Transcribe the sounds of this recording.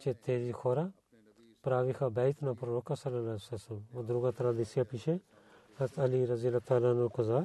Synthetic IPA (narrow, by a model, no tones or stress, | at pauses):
t͡ʃet̪eːziːkʰoːɾa | pɾaːʋixʰabɛːjt̪ʰnapɾoɾoːkasɐlɐlasɐsɐmɐd̪ɾuɡat̪ɾad̪isjapiʃe | hɐzt̪ʰɐliːɾɐzijɐlat̪aːlaːnɐlkɐzaː